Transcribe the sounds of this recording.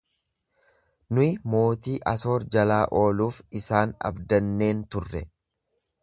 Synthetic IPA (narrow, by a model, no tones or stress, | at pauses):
nʊɪmo̞ːt̪iːʔɐso̞ːɾd͡ʒɐlaːʔo̞ːluːfɪsaːnɐ̰bd̪ɐnːe̞ːnt̪ʊrːɛ